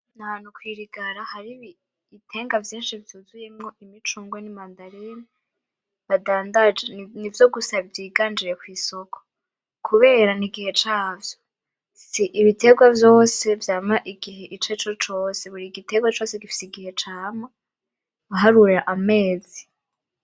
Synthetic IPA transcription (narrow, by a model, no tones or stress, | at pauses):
naβanhukwiːɾiɡaɾahaɾiβi | itʰe̞ːŋɡavjiːnʃivjuːzuje̞mŋo̞ʔimit͡ʃuːŋɡwenimandaɾeni | βadaːndad͡ʒenivjo̞ɡusaβivjiːɡaːnd͡ʒiɾe̞kwiːso̞kʰo̥ | kʰuβe̞ːɾaniɡihe̞t͡ʃaːvjo | siʔiβitʰe̞ɡwavjo̞ːse̞vjaːmaʔiɡiɦe̞ʔit͡ʃet͡ʃot͡ʃo̞ːse̞βuɾiɡite̞ɡwat͡ʃo̞ːseɡifi̥siɡihe̞t͡ʃaːma | βaɦaɾuɾeɾaʔame̞ːzi